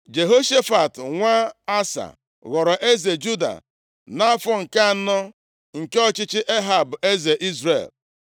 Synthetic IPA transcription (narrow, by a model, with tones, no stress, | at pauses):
d͡ʒe˨ɦo˦ʃe˦fa˨tŋʷa˦a˦sa̰˨ | ɣɔ˨ɾɔ˨ʔe˦ze˨d͡ʒu˦da̰˨ | na˦fɔ˦ŋ̩˨ka˦a˨nɔ˦ | ŋ̩˨ke˦ɔ˦t͡ʃɪ˦t͡ʃɪ˦ʔe˦ɦa˨bʊ˨ʔe˦ze˨ʔi˦zɾḛ˨l